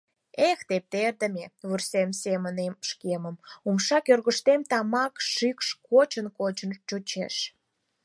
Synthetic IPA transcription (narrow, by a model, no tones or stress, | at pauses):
ext̪ep̚t̪erd̪ə̆mʲeβursemsemənemʃkeməmumʃɑkørɣəʃt̪emt̪ɑmɑkʃikʃkot͡ɕənkot͡ɕənt͡ɕut͡ɕḛʃ